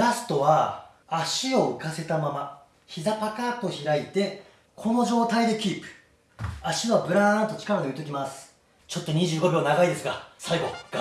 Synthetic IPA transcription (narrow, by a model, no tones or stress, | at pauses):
ɾasɨ̥t̪o̞βaː | ɕio̞ɯ̟kase̞t̪amama | çizapakat̪o̞çiɾait̪e̞ | kʰo̞no̞ʑo̞ːt̪aid̪e̞kʲiːpɯ̥ | aɕioabɯ̟ɾãnt̪o̞t͡ɕi̥kaɾad̪eɯ̟t̪ːo̞k̬ʲimasɨ̥ | t͡ɕo̞t̪ːo̞ɲ̟iʑɨːɡo̞bʲonaɡaid̪e̞sɨɡasaiɡo̞